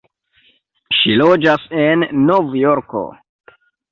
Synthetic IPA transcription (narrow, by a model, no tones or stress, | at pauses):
ʃilo̞d͡ʒasenːovjoɾko̰